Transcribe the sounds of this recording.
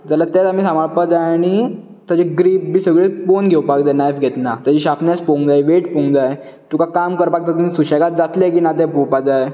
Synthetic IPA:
d͡zalat̪ɛt̪amiːsamaɭpad͡zajaɽ̃i | t̪ad͡ʑeɡɾipbiːsəɡɭeponɡʱewpakd͡z̪enajfɡʱet̪nat̪jad͡ʑiːɕapnaspõŋɡd͡zajʋeʈpõŋd͡zaj | t̪ukakamkəɾpak̚t̪at̪umisuɕeɡat̪̚d͡zat̪lekiːnad̪epowpad͡zaj

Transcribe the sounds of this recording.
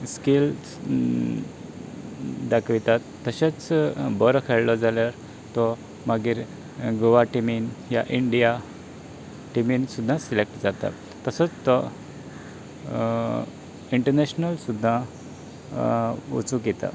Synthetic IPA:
skil | d̪akʋit̪at̪ːəɕat͡sbəɾkʰɛɭlɔd͡zaljaɾ | t̪ɔ | maɡiːɾ | ɡoʋaʈiminja̰ʔiɳɖija | ʈiminsud̪ʱːãsilek̚ʈd͡zat̪a̰ | t̪əsət͡st̪ɔ | iɳʈəɾneɕnəlsud̪ʱːã | ṵt͡sũkɛt̪a̰

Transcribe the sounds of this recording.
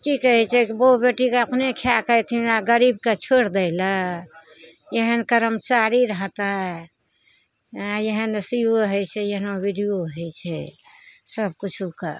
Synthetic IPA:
kikəɦɛt͡ʃʰɛkbobeʈikeəpnekʰjakəjt̪ʰinaɡəɾib̚ket͡ʃʰoɽd̪əɪlə | jəɦənkəɾəmt͡ʃaɾiɾəɦt̪a | jəɦənsioɦəjt͡ʃʰɛjəɦnobiɖijoɦəjt͡ʃʰɛ̰ | səb̚kut͡ʃʰuka̰

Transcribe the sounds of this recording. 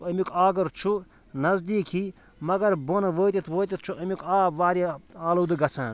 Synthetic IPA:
ɐmikaːɡɐɾt͡ʃʰu | nɐzd̪iːkʰi | mɐɡɐɾbonʋəːt̪ʲit̪ʰʋoːt̪it̪̚ʰt͡ʃʰuʔɐmʲikaːʋaːɾiaːloːd̪ɨɡɐt͡sʰãː

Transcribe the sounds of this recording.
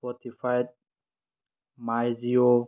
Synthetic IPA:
fɔtifajd̚ | majzio

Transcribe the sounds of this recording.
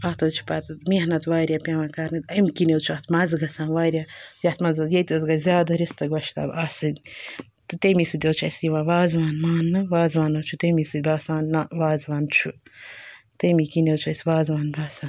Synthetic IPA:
ɐt̪ɐwt͡ʃʰu̥paːt̪ɨminɐt̪ʋaːɾʲjapʲaʋãːkaɾnɨt̪ɐjmikinewt͡ʃʰuɐt̪ʰmɐzɡɐsãːnʋaːɾʲjajɐt̪ʰmɐnzɐjet̪ʲɐzɡazʲaːd̪aɾist̪ɐɡʋɐʃʰt̪ɐ̰ːbasɨd̪ʲ | t̪ɨt̪ɐmisɨd̪ʲɐwt͡ʃʰɐjsʲiʋãːʋaːzʋaːnmaːnːɨʋaːzʋaːnɐwt͡ʃʰut̪ɐmisɨd̪̚ʲbaːsaːnːaʋaːzʋaːnt͡ʃʰu | t̪ɐmikinewt͡ʃʰuɐsʲʋaːzʋaːnbʱaːsaː

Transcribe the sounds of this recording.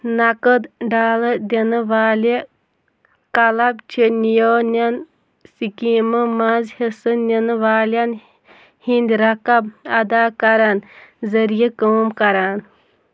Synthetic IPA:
nakət̪ɖaːləd̪ʲenɨʋaːle | kɐlɐbt͡ʃʰenijoːnʲan | sikimɐmazhesɨnʲenɨʋaːljan | hind̪ʲɾɐkɐbɐd̪aːkɐɾanzɐɾijekəːmkɐɾaːn

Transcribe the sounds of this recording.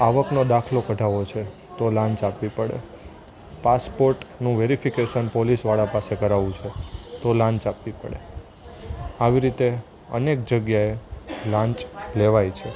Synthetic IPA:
aʋəknod̪akʰlokəʈaʋot͡ʃʰe | t̪olãɲt͡ʃapʋipəɽḛ | paspoɾʈnũʋeɾifikeʃənpolisʋaɭapasekəɾaʋũt͡ʃʰet̪olãɲt͡ʃapʋipə̰ɽḛ | aʋiɾit̪e | ə̰nek̚d͡ʒəɡjaelãɲt͡ʃleʋajt͡ʃʰe

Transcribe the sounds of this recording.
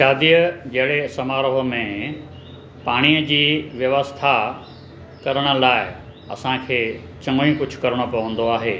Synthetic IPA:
ʃaːd̪ijəd͡ʑɐɦɪɽesɐmaːɾoɦomẽ | paːɽ̃iəd͡ʑiːʋjɐʋəst̪ʰa | kɐɾəɽ̃ə̆laːɪ | ɐ̰sãkʰeː | t͡ɕɐ̃ŋoĩkʊd͡ʑʱʊ̥̆kɐɾəɽ̃opɐʋə̃nd̪oaːɦeː

